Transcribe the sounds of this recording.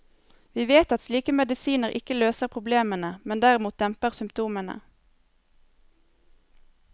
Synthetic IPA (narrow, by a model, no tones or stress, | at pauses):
ʋiːʋeːt̪ɑt̪sliːkəmɛd̪ɪsiːnəʁʔɪ̰kəløːsəʁpʰʁʊbleːmənəmɛnd̪æʁɪmuːt̪̚d̪ɛmpəʁsʏmpt̪ʰuːmənə̰